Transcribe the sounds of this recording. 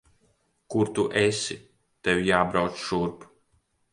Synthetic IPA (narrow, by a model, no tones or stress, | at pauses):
kuɾt̪uʔɛesi | t̪ewʲjaːbɾawt̪sʃuɾp